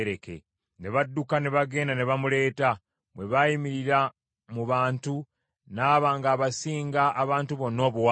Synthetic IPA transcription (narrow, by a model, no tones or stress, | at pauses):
ɾe̞ke̞̰ | ne̞βadːukane̞βaɡe̞ːndane̞βamule̞ːta | βwe̞βajimiɾiɾa | muβaːntu | naːβaːŋɡaːβasiːŋɡaʔːβaːntuβo̞nːo̞ːβuwa